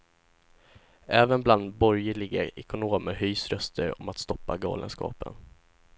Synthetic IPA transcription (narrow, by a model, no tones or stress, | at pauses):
ɛːvənbland̪bɔɾjəɭɪɡaɛkʊnoːməɦyːsɾœst̪ʰəɾɔ̰mat̪st̪ɔpːaɡɑ̰ːlə̰nskɑ̰ːpə̰n